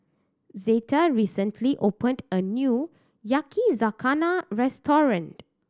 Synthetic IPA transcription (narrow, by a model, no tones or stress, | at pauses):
zetaɹisə̃ntʰliʔopə̃ndənju | jakʰizakʰanaɹɛstʰɔɹə̃nt